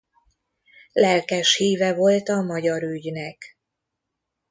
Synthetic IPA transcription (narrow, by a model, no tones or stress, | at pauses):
lɛlkɛʃhiːvɛvo̞lt̪ɒmɒɟɒɾyɟnɛk